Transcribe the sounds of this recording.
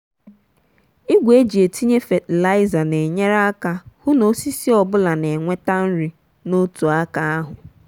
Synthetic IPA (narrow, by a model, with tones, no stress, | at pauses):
i˦ɡʷe˦d͡ʒi˨e˨tʰi˦ɲe˦fe˨tla˦ɪ˦za˨ne˨ɲe˦ɾa˦a˦ka˦hʊ˦no˦si˦si˦ɔ˨bʊ˦la˨ne˨ŋʷe˦ta˦n̩˦ɾi˨ | no˦tu˨a˦ka˦a˦ɦʊ˨